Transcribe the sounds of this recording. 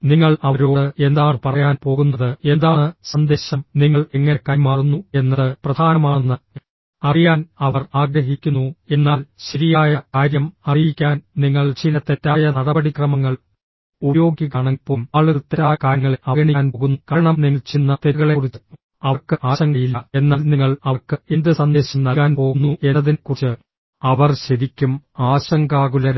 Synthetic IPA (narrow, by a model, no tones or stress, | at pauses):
niŋːɐɭɐʋɐɾo̞ːɽɨe̞nd̪aːɳɨpɐrɐjaːnpo̞ːɣunːɐðɨe̞nd̪aːɳɨsɐnd̪e̞ːɕɐmniŋːɐɭeŋːɐnekɐjmaːrunːue̞nːɐðɨprɐd̪ʱaːnɐmaːunːɐ | ɐrijaːnɐʋɐraːɡɾɐɦikʲːunːue̞nːaːlɕɐɾijaːjɐkaːɾjɐmɐrijikʲːaːnniŋːɐɭt͡ɕinːɐt̪ːetːaːjɐnɐɽɐbɐɽikrɐmɐŋːɐɭ | ubjo̞ːɡiɣaɳɐpoːmaːɭuut̪ːɐɾaːkaːɾɐŋːɐɭɐɣɐɳiaːnpoɣunːukɐɾɐɳɐmniŋːɐɭt͡ɕinːɐt̪eɾɣɐɭerut͡ɕː | ɐɐrkɨʔaːɕɐŋɡɐjilːɐe̞nːaːlniŋːɐɭɐɐrkɨend̪ɨsɐnd̪eːɕɐmnɐɣaːnpo̞ːɣunːue̞nːɐðinkut͡ɕːɨ | ɐʋɐrɕeðikʲːumaːɕɐŋɡaːɣulɐɾ